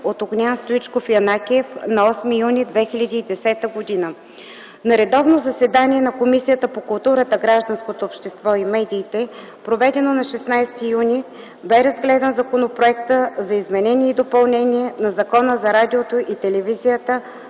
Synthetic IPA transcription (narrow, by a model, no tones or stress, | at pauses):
ot̪oɡnʲanst̪oit͡ʃkofjɐnakʲɛfnɐɔsmijunid̪vɛxilʲəd̪iːd̪ɛsɛt̪əɡod̪inə | nɐɾɛd̪ɔvnozɐsɛd̪anʲiɛnɐkomisijət̪əpokʊlˠt̪uɾət̪əɡɾaʒd̪ɐnskot̪oːpʃt̪ɛst̪vɔimɛd̪iːt̪ɛ | pɾovɛd̪ɛnonɐʃɛsnajst̪ijunʲi | bɛɾɐzɡlɛd̪ənzɐkonopɾoɛkt̪əzɐizmɛnɛniɛid̪opɐlˠnɛnʲiɛnɐzɐkɔnəzɐɾad̪ʲiot̪oʔit̪ɛlɛvizijət̪ə